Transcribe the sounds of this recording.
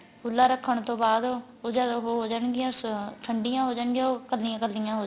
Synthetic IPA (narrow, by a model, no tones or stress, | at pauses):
ʊlːaːɾəkʰːəɳt̪õːbaːd̪ | oːd͡ʒaːd̪oɦoːɦoːd͡ʒaːɳɡɪjãːst̪ʰəɳɖɪjãːɦoːd͡ʒaːɳɡɪjãːokəlːɪjãːkəlːɪjãːɦoː